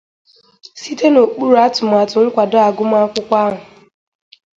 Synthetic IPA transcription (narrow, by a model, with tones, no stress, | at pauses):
si˦te˦no˨k͡pu˦ɾu˨˦a˦tʊ˨m̩˨a˨tʊ˨ŋ̩˦kʷa˨dɔ˦a˨ɡʊ˦m̩˦a˦kʷʊ˦kʷa˦ɦʊ˨